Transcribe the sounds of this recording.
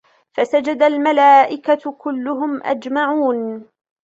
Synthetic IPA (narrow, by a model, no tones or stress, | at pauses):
fasad͡ʒad̪almalaːʔɪkakʊlːʊɦʊmʔa̰d͡ʒmaʕuːn